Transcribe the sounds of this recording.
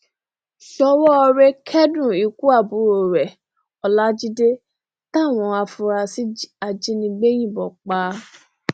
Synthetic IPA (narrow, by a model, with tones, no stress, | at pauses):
ʃɔ˦wɔ˦ɔ˧ɾe˦kʰɛ˦dũ˦˨i˨ku˦a˦˨bu˨˦ɾo˨ɾɛ˨ | ɔ˨la˦d͡ʒi˦de˦ | ta˦˨w̃ɔ̃˧a˧fũ˧ɾa˧si˦a˧d͡ʒi˦nĩ˧ɡ͡be˦j̃ĩ˦˨bɔ˨k͡paː˨˦